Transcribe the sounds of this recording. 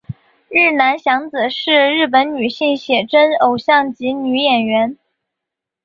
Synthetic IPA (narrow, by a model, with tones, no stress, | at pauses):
ɻɻ̩˥˩na˧˥nɕjɑ˧˥ŋt͡sɹ̩˨˩ʂɻ̩˥˧ɻɻ̩˥˩p̬ə˧˥nny˨˩ɕi˥˩ŋɕjɛ˨˩ʈ͡ʂə˥no˨˩ʊɕjɑ˥˩ŋt͡ɕi˧˥ny˧˥jɛ˨˩nɥɛ˧˥n